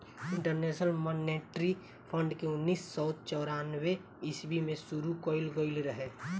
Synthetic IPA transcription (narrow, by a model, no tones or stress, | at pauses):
ɪ̃ɳʈəɾneʃnəlmɔneʈɾi | pʰə̃ɳɖkeʊnːiːsːɔʊt̪̚t͡ʃɔʊɾanwe | ɪsbimẽsuɾukɔɪlɡoɪlɾəɦe